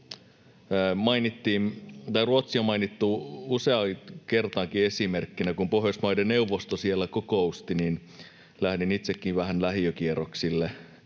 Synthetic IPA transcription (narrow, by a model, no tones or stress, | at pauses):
mɑinit̪ːiːnt̪ɑjruot̪siomɑinit̪ːuuseɑke̞rt̪ɑŋkie̞simerkːinækumpohjosmɑjdene̞uʋːost̪osielːækokoust̪inin | læhdinit̪sekːiʋæɦænlæɦiøk̟ieroksilːe